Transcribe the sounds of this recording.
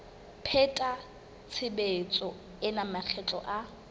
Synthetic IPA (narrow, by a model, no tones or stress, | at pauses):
pʰɛtʼa | t͡sʰɪbet͡sʼɔ | ɪnamak͡xʰɛt͡ɬʼɔ̰ʔa